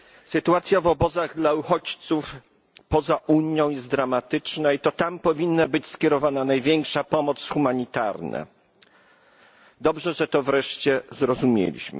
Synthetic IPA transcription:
sɘt̪uat̪sʲjavɔbɔzaɣd̪lauxɔt͡ɕt̪suf | pɔzaʔuɲjɔ̃w̃jɛst̪d̪ɾamat̪ɘt͡ʂnait̪ɔt̪ampɔvʲinːabɘt͡ɕskʲɛɾɔvananajvʲjɛŋkʂapɔmɔt̪sxumaɲit̪a̰ɾnɛ̰ | d̪ɔbʐɛʐɛt̪ɔvɾɛʂt͡ɕɛzɾɔzumʲjḛlʲḭɕmɘ̰

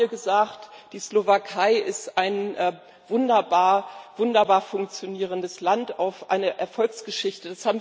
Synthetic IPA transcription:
iːɐɡəzaːktd̥iːslovakʰaɪʔɪstaɪnʔ | vʊndɐbaːɐvʊndɐbaːɐfʊŋk̚t͡sjoniːʁ̞əndəslantaʊfʔa̰ɪnəʔɛɐfɔlksɡ̥əʃɪçtəd̥ashaːbm̩v

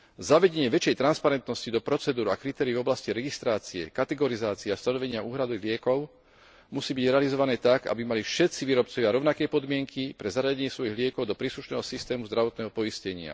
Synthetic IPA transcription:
zaʋɛɟɛɲɪɛʋɛt͡ʃɪjɛjt̪ɾanspaɾɛnt̪nɔscid̪ɔpɾɔt͡sɛd̪uːɾakɾit̪ɛːɾiːvɔblasciɾɛɡist̪ɾaːt͡siɛ̰kat̪ɛɡɔɾizaːt͡siɛast̪anɔʋɛɲɪaʔuːɦɾad̪ɔilɪɛkɔʊ | musiːbiɟɾɛalizɔʋanɛːt̪aɡa̰bimalifʃɛt̪t͡siʋiːɾɔpt͡sɔʋjaɾɔʊnakɛjpɔd̪mɪɛŋkʰipɾɛzaɾaɟɛɲɪɛsʋɔjiɣlɪɛkɔʊd̪ɔpɾiːsluʃnɛːɦɔsist̪ɛːmuzd̪ɾaʋɔt̪̚nɛːɦɔpɔiscɛɲɪa̰

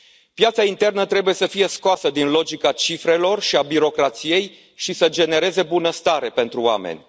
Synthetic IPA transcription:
pjat̪saint̪e̞rnət̪ɾe̞buje̞səfije̞skoasəd̪inlo̞d͡ʒikat͡ʃifɾe̞lo̞rʃiabiɾo̞kɾat̪sije̞j | ʃisəd͡ʒe̞ne̞ɾe̞ze̞bunəst̪aɾe̞pe̞nt̪ɾuoa̰mḛnʲ

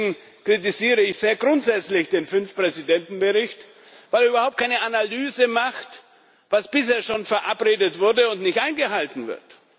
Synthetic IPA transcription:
ŋ̩ | kʁ̥it̬iziːʁ̞əɪçz̥eːɐɡʁʊntz̥ɛt͡slɪçd̥eːnfʏnfpʁ̥ɛzidɛntn̩bəʁɪçt | vaɪlɐyːbɐhaʊp̚tkʰaɪnəʔanalyːzəmaχt | vasb̥ɪsheːɐʃoːnfɛɐʔapʁeːdətv̥ʊɐdəʊntnɪçtʔaɪnɡəɦaltn̩vɪ̰ɐt

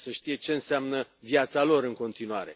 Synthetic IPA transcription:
səʃt̪ije̞t͡ʃe̞ɨnseamnəvjat̪salo̞ɾɨŋko̞nt̪inuaɾe̞̰

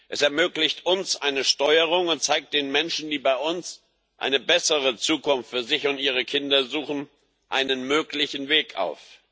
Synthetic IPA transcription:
ʔɛsɛɐmøːklɪçtʔʊnsʔaɪnəʃtɔʏəʁ̞ʊŋʊnt̚t͡saɪk̚t̚d̥eːnmɛnʃn̩diːbaɪʊns | ʔa̰ɪnəbɛsəʁət͡suːkʊnftfyːɐzɪçʊntʔiːʁ̞əkʰɪndɐzuːχn̩ | ʔa̰ɪnənmøːklɪçn̩veːkʰʔa̰ʊf

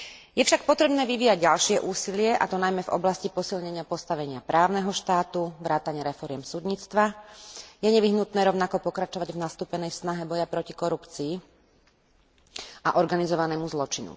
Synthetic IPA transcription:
jɛfʃak̚pɔt̪ɾɛbnɛːʋiʋiːjaɟɟalʃɪɛʔuːsilɪɛʔa̰t̪ɔnajmɛvɔ̰blascipɔsilɲɛɲɪapɔst̪aʋɛɲɪapɾaːʊnɛɦɔʃt̪aːt̪uʋɾaːt̪aɲɪɛɾɛfɔɾɪɛmsud̪ɲiːt͡st̪ʋa | jɛɲɛʋiɦnut̪nɛːɾɔʊnakɔpɔkɾat͡ʃɔʋaɟvnast̪uːpɛnɛjsnaɦɛbɔjapɾɔcikɔɾupt͡siː | aʔɔɾɡanizɔʋanɛːmuzlɔt͡ʃinṵ

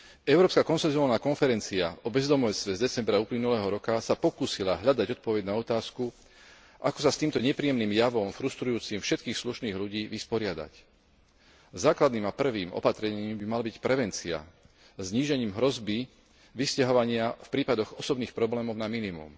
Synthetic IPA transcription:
ɛʊɾɔːpskakɔnsɛnzuaːlnaːkɔnfɛɾɛnt͡siaɔbɛzd̪ɔmɔjt͡st̪ʋɛzd̪ɛt͡sɛmbɾauːplinulɛːɦɔɾɔkasapɔkuːsilaɦʎad̪aɟɔt̪̚pɔʋɛɟnaɔt̪aːsku | ʔakɔsast̪iːmt̪ɔɲɛpɾijɛmniːmjaʋɔmfɾust̪ɾujuːt͡simfʃɛt̪kiːxsluʃniːɣʎuɟiːʋispɔɾɪad̪a̰c | zaːklad̪niːmapr̩ʋiːmɔ̰pat̪ɾɛɲiːmbimalabicpɾɛʋɛnt͡sia̰ | zɲiːʒɛɲiːmɦɾɔzbi | ʋiscaɦɔʋaɲɪafpɾiːpad̪ɔɣɔsɔbniːxpɾɔblɛːmɔʊnaminimṵm

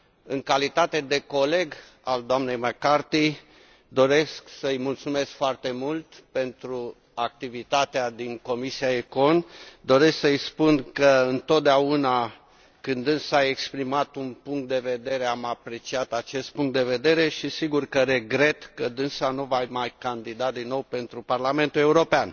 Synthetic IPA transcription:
ɨŋkalit̪at̪e̞d̪e̞ko̞le̞ɡ | a̰ld̪oamne̞jməkart̪i | d̪o̞ɾe̞sksəɨjmult̪sume̞skfoart̪e̞mult̪pe̞nt̪ɾu | ak̚t̪ivit̪at̪ead̪iŋko̞misiaeko̞nd̪o̞ɾesksəɨjspunkəɨnt̪o̞t̪̚d̪eauna | kɨnd̪ɨnsaekspɾimat̪unpuŋk̚t̪̚d̪e̞ve̞d̪e̞ɾe̞amapɾe̞t͡ʃiat̪at͡ʃe̞st̪̚puŋkt̪d̪eve̞d̪e̞ɾe̞ʃisiɡurkəɾe̞ɡɾe̞t̪kəd̪ɨnsanuvajmajkand̪id̪ad̪inːowpe̞nt̪ɾuparlame̞nt̪ule̞uɾo̞pean

